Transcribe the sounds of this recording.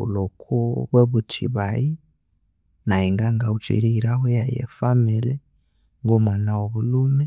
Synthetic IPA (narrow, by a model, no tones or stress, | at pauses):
ṵlokʰuβweβutʰḭβai | naiŋɡaŋɡaut͡ʃḭɾiːɾawejajḛfamiɾɛ | ŋɡomanawoβulumɛ